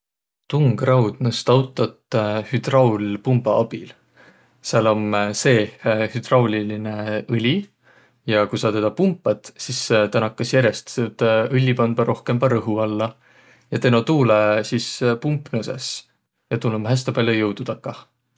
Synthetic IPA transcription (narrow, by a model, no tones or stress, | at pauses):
t̪uŋɡ̥rɑwd̪̥nust̪ɑwt̪ːˑɑt̪ːˑhyd̪̥rɑwlpumbɑɑb̥il | siɑlo̞mse̞ːhyd̪̥rɑwlʲiline̞ɯlʲi | jɑkujsɑt̪e̞d̪̥ɑpumpːˑɑd̪̥sist̪ænɑkːˑɑsjæɾest̪set̪ɯlʲːipɑnb̥̪ɑɾo̞hke̞mpɑɾɤɦuɑlːɑ | jɑt̪e̞not̪uːlesispumpˑnusḛs | jɑt̪ulːomɦæs̬t̪ɑpɑljojɤwd̪̥ud̪̥ɑkːˑɑ